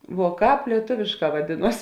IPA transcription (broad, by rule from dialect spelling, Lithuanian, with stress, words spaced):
ʋuɔ ˈkɑːp lʲiɛˈtʊʋʲeːʃˌkɑː ʋɐˈdʲeːˌnuɔs